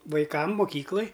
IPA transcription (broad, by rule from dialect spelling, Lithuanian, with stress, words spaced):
ʋɐɪˈkɐm mʊˈkʲiːklˠɐj